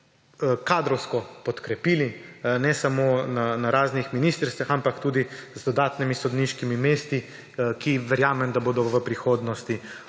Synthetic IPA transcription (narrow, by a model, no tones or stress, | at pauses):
kaːd̪ɾɔwskɔpɔt̪kɾɛpiːlinɛsamonanaɾaːznixminiːst̪əɾst̪ʋaxampakt̪uːd̪izd̪ɔd̪aːt̪nimisɔd̪niʃkimimeːst̪i | kiʋɛɾjaːmɛmd̪aboːd̪ɔʋəpɾixoːd̪nɔst̪i